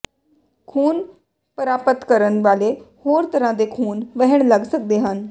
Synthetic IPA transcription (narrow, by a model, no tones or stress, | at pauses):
kʰuːn | pəɾaːpət̪kəɾənʋaːlehoːɾt̪əɾãːd̪eːkʰuːnʋəɦəɽ̃ləɡsək̚d̪eːɦən